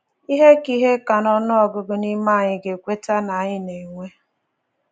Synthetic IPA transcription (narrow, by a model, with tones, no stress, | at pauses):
i˦ɦe˦ki˦ɦe˦ka˨nɔ˦nʊ˦ɔ˨ɡʊ˨ɡʊ˨ni˦ma˦˨ɲɪ˨ɡe˨kʷe˦ta˦na˨ɲɪ˦ne˨ŋʷe˦